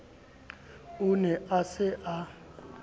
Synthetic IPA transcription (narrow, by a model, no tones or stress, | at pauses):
unɛʔasɛʔa